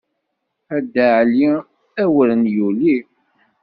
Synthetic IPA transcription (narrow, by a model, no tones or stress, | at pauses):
æd̪əʕli | æwələnjuli